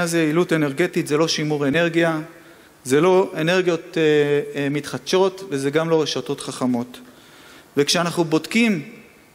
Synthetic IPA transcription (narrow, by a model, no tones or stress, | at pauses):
azeilute̞ne̞ʁɡe̞titzelo̞ʃimuʁe̞ne̞ʁɡija | zelo̞e̞ne̞ʁɡjo̞t̪ | mit̪χad̪ʃo̞tvezeɡamlo̞ʁeʃato̞tχaχamo̞t̪ | vekʃeanaχnubo̞dkim